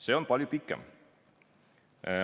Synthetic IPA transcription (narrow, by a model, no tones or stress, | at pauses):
seːonpɑlʲjupikːˑɛ̰m